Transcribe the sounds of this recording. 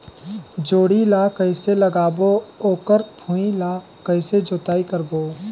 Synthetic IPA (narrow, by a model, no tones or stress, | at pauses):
d͡ʒoːɽilakəɪseləɡaːbooːkəɾpʰũːila | kəɪsed͡ʒoːt̪aːikəɾboː